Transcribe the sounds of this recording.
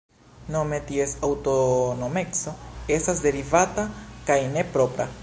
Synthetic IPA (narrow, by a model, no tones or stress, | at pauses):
no̞me̞tie̞sawto̞no̞me̞kso̞e̞stasde̞ɾivatakajne̞pɾo̞pɾa̰